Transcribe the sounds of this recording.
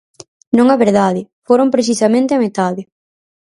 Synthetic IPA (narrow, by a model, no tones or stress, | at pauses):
nõŋɐβeɾðaðɪfoɾompɾeθisɐmẽnt̪ɪɐmet̪aðɪ